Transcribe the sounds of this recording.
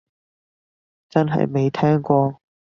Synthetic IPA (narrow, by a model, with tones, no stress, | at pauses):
t͡sɐ˥nɦɐ̰˨jme˨˧jt̪ʰɛː˥ŋkʷɔː˧